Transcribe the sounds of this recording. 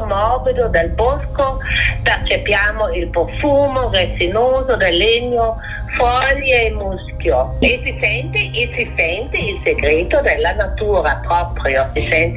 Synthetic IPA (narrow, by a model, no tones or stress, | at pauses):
mɔbid̪od̪elboskot̪ert͡ʃepjaːmoilpofuːmoresinoːzod̪elːeɲːo | fɔʎjeːmuskjoesisɛnt̪iʔisisɛnt̪iːlseɡɾet̪od̪elːanat̪uːɾapɾɔpɾjosisɛnt̪